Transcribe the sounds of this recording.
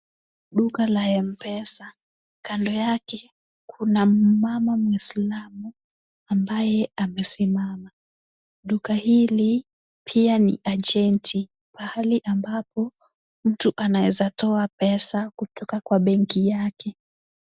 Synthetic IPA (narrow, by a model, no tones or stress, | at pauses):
ɗukalaɛm̩pɛsa | kandɔjakɛ | kʰunam̩mamamwislamu | ambajɛamɛsimama | ɗukahili | pʰianḭʔad͡ʒɛntʰi | pahaliʔambapɔ | m̩tuʔanawɛzatɔapɛsakutʰɔkakwaɓɛŋkijakɛ